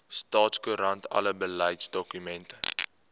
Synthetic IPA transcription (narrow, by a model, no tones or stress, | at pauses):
stɑːtskuɾɐntɐ̰ləbələjtsdɔkymɛntə